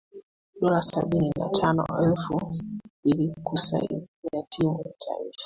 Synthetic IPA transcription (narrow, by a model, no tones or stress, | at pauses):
ɗɔɾasaɓinina̰tʰanɔ̰ɛlfumbilikusa̰ḭjatʰimujatʰa̰ḭfḁ